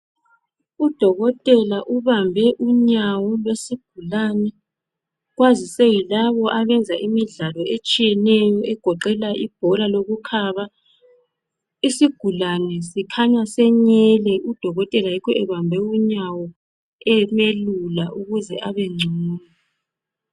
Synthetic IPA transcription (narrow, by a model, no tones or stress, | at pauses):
ud̥ʱɔɣɔtʼɛlaʔuβambʱɛʔuɲawɔlwesiɡ̥̚ʱulanɛ | ɣwazisɛjilaβɔʔaβɛnd͡zʱaʔimiɮalɔet͡ʃʼijɛnɛjɔʔɛɡ̥ʱɔǃɛlaʔib̥ʱɔlaloɣukʰaːβa | isiɡ̥ʱulanɛsikʰaɲasɛɲɛlɛud̥ʱɔɣɔtʼɛlajikʰɔɛβambʱɛuɲawɔ | ɛmelulaʔuɣuzɛʔaβɛŋ͡ǀʱuːna